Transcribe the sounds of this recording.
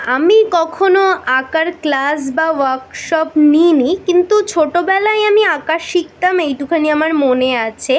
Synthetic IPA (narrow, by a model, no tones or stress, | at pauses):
amikɔkʰonoakaɾklas̬bawaɾkʃɔpninikint̪ut͡ɕʰoʈobɛlajamiakaʃik̚t̪amejʈukʰaniamaɾmoneat͡ɕʰe